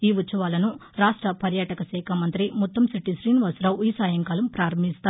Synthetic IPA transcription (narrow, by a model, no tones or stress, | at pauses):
iːʋut̪sɐʋaːlɐnuɾaːʂʈɾɐpɐɾjaːʈɐkɐsɛːkʰamɐnt̪ɾimut̪ːɐmsiʈːisɾiːnʋɐsɾɐwiːsaːjɐŋkaːlɐmpɾaːɾɐmist̪aː